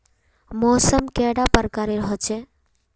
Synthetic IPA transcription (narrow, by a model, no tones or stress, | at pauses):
mɔːsəmkɛɽapəɾkaɾeɾəɦət͡ʃʰe